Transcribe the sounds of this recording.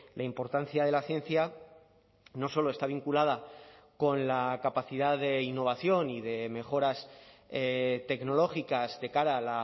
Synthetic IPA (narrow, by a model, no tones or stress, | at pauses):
lʔaimpo̞ɾt̪anθjaðe̞laθje̞nθja | no̞so̞lo̞e̞st̪aβ̞iŋkulað̞a | ko̞nlakapaθiðaðe̞inːo̞β̞aθjo̞niðe̞me̞xo̞ɾaset̪e̞kno̞lo̞xikazðe̞kaɾaːla